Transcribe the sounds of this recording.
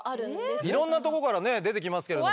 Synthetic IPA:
ɾɯiɾõ̞nːat̪o̞ko̞kaɾane̞d̪e̞t̪e̞kʲimasɨ̥keɾdo

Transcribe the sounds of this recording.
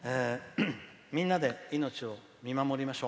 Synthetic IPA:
eː | mʲĩnːad̪e̞ino̞t͡ɕio̞ | mʲimamo̞ɾʲimaɕo̞ː

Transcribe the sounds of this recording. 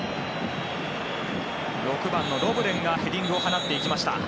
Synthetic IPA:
ɾo̞kɯ̟bãnːo̞ɾo̞ːbɯ̟ɾẽ̞ŋɡahe̞ɾʲĩŋɡɯ̟o̞ɦanat̪ːe̞ikʲimaɕi̥t̪a̰

